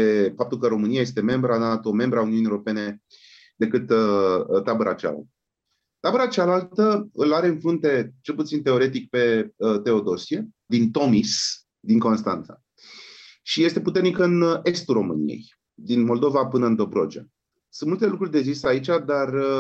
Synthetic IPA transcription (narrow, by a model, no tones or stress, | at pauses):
efap̚t̪ulkəɾo̞mɨniajest̪e̞me̞mbɾanat̪o̞me̞mbɾəauniunieoɾope̞ne̞ | d̪e̞kɨt̪ət̪abəɾa̰t͡ʃa̰o̰ | t̪abəɾat͡ʃalalt̪əɨlaɾe̞ɨnfɾunt̪e̞t͡ʃe̞lput̪sint̪e̞o̞ɾe̞t̪̬ikpe̞ət̪e̞o̞d̪o̞sie̞ | d̪int̪o̞mis | d̪iŋko̞nst̪a̰nt̪sḁ̰ | ʃije̞st̪e̞put̪e̞rnikəɨnʔe̞st̪uro̞mɨnḭje̞̰j | d̪inmo̞ld̪o̞vapɨnəɨnd̪o̞bɾo̞̰d͡ʒia̰ | sɨnmult̪e̞lukɾurʲd̪e̞ziseait͡ʃad̪ar